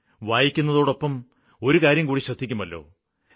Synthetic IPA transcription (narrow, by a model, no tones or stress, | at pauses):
ʋaːjikʲːunːɐðo̞ːɽo̞pːɐm | o̞ɾukaːɾjɐmkuːɽiɕrɐd̪ʱːikʲːumɐlːo̞̰ː